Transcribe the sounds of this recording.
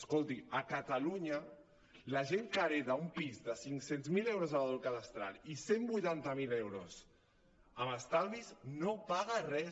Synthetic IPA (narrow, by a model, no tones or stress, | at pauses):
skolˠt̪iəkat̪aluɲə | laʒeŋkaɾeðaumpizd̪əsiŋksenzmilewɾozaβaðolkaðəst̪ɾa̰lisembujt̪ant̪əmilewɾos | əməst̪alβiznopaɣarɛ